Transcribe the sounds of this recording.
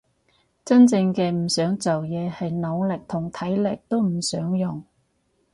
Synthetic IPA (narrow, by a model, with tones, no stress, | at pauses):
t͡sɐ˥nt͡sɪ˧ŋkɛː˧m̩˨˩sœː˨˥ŋt͡sɐ˨wjɛː˨˧hɐ˨jno˨˧wlɪ˨k̚t̪ʰʊ˨˩ŋt̪ʰɐ˨˥jlɪ˨k̚t̪o˥wm̩˨˩sœː˨˥ŋjʊ˨ŋ